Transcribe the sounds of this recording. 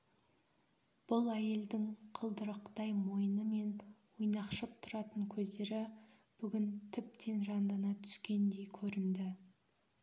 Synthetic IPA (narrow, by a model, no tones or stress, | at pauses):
b̥ʊlˠæje̞ld̪ɪŋqʰəlˠd̪əɾəqt̪ɑjmo̞jənəme̞nwojnɑqʃəp̚t̪ʰʊɾɑt̪əŋkʲʰɵzd̪e̞ɾɪ | b̥ʏɡʲɪnt̪ʰʏp̚t̪ʰe̞nʒɑnd̪ɑnɑt̪ʰʏ̥skʲe̞nd̪e̞jkʲʰɵɾɪnd̪ɪ